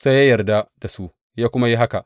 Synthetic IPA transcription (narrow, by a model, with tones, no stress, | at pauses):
sa˦jaː˦jɐ˨rda˦d̥a˨su˦ | jaː˦kʷʊ˦ma˦ji˦ɦa˦ka˨ʔ